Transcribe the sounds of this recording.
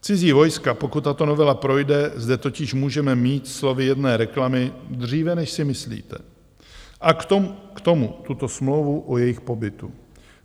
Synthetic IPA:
t͡sɪziːvo̞jskapo̞kut̪ːat̪o̞no̞vɛlapɾo̞jdɛzdɛt̪o̞cɪʃmuːʒɛmɛmiːt̪slo̞vɪjɛdnɛːɾɛklamɪd̪r̝iːvɛnɛʃsɪmɪslḭːt̪ɛ̰ | ʔakt̪o̞mut̪ut̪o̞smlo̞wvuʔojɛjɪxpo̞bɪt̪u

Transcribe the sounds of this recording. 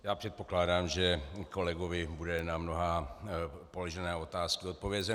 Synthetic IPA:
jaːpr̥ɛt̪̚poklaːdaːmʒɛkolɛɡovɪbudɛnamnoɦaː | poloʒɛnɛːot̪aːskiot̪̚povjɛzɛ

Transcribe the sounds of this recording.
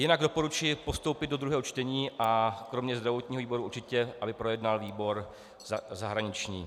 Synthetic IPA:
jɪnaɡdo̞po̞ɾut͡ʃɪpo̞st̪owpɪd̪do̞d̪ɾuɦɛːɦot͡ʃt̪ɛɲiːʔakɾo̞mɲɛzd̪ɾavo̞t̪ɲiːoviːbo̞ɾuʔuɾt͡ʃɪcɛʔabɪpɾo̞jɛdnalviːbo̞ɾ | zzaɦɾaɲɪt͡ʃɲḭː

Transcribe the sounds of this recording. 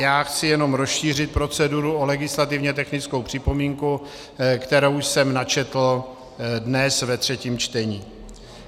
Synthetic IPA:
jaːxt͡sɪjɛno̞mɾosʃiːr̝ɪt̪̚pɾo̞t͡sɛduɾuolɛɡɪslat̪ɪvɲɛt̪ɛxnɪt͡skowpr̝̥ɪpo̞miːŋku | kt̪ɛɾowsɛmnat͡ʃɛt̪l̩ | dnɛsvɛt̪r̝̥ɛciːmt͡ʃt̪ɛɲiː

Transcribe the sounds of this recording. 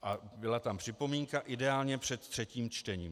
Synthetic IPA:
ʔabɪlat̪ampr̥ɪpo̞miːŋkaʔɪdɛaːlɲɛpr̝̥ɛt̪t̪r̥ɛciːmt͡ʃt̪ɛɲḭːm

